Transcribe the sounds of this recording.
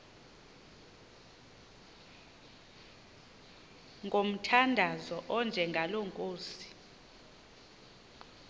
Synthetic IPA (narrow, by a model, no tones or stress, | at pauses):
ŋɡʱom̩tʰandʱazɔʔɔnd͡ʒʱɛŋɡʱaloŋkʼoːsi̥